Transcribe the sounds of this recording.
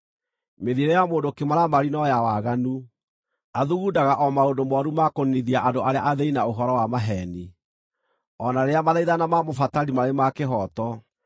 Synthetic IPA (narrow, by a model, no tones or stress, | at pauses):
meðieɾejamoːndokemaɾamaɾinɔjawaɣanu | aðuɣudaɣaʔɔmaondomɔɾumakoniðiaʔandoʔaɾeaʔaðeinaoɦɔɾɔwamaɦɛni | ɔnaɾeamaðaiðanamamofataɾimaɾemakeɦɔtɔ